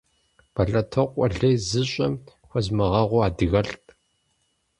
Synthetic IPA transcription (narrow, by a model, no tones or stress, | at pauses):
b̥ɐɬʼɐtʰɐqʷʼɔɮɐjzɨɕʼɐm | xʷɔzmɐʁɐʁʷʊaːdɨɣɐɬtʼ